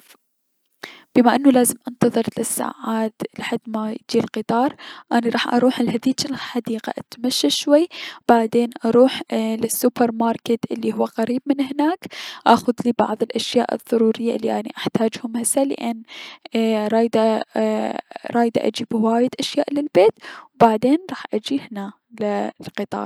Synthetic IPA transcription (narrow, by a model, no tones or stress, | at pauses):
b̥ɪmaʔɪnːulaːzɪmʔant̪ɑðˤɨɾˤlɪsːa̰ːʕaːd̪lɪħad̪ːmajd͡ʒ̪iːlqɨt̪ˤɑːɾˤʔaniɾˤɑːħʔɑ̰ɾˤuːħɪlhad̪iːtɪlħad̪iːqa̰ʔat̪maʃːaʃwajːb̥aʕd̪eːnʔɑɾˤuːħlɪsːupɑɾmɑːɾˤkɪt̪ʔɪlːihʊwːaqaɾiːb̚mɪnhnaːkʔaxʊðliːbɑ̰ʕðˤɪlʔaʃjaːʔɨ̰ðˤːɑɾuːɾɪjːaʔɪlːiʔaniʔaħt̪aːd͡ʒhʊmhasalɪ̰ʔanː | ɾˤɑːjd̪a | ɾˤɑːjd̪a̰ʔa̰d͡ʒiːbwaːjɪd̪ʔaʃjaːʔlɪlbeːt̪wbaʕd̪eːnɾˤɑːħʔad͡ʒiːhna | lɪlqɨt̪ˤɑ̰ːɾˤ